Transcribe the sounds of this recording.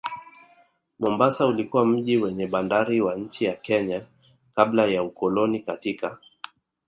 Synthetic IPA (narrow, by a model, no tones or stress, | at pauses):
mɔmbasaulikuwam̩ʄiwɛɲɛɓandaɾiwaɲ̩t͡ʃijakɛɲa | kablajaukɔlɔnikatika